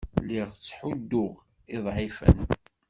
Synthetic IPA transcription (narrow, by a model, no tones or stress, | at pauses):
liʁt͡sːħud̪ːʊʁ | ɪðˤʕifə̰n